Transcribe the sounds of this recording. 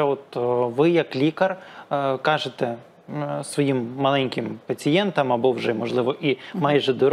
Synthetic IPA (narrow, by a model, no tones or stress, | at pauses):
ɛɔt̪ʋɪjɐklʲikɐrkɑʒet̪ɛ | sʋɔjimːɐlˠɛnʲkʲɪmpɐt͡sʲijɛnt̪ɐmɐbɔwʒɛmɔʒlˠɪʋɔʔimɑjʒɛd̪ɔɾ